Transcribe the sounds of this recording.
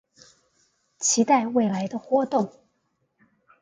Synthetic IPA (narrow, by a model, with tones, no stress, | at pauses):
t͡ɕʰi˧˥t̪a˥˧ɪwe˥˩ɪla˧˥ɪd̪ə˧xwɔ˥t̪ʊ˥˩ŋ